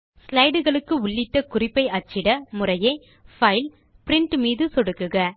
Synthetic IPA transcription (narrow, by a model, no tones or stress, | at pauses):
slɐɪɽɯɣɐɭɯkːɯʊɭːɪʈːɐkʊrɪpːɐɪʔɐt͡ʃːɪɽɐmʊrɐjɐɪ | fɐɪl | pɪɾɪɳʈmiːðɯsɔɽɯkːɯɣɐ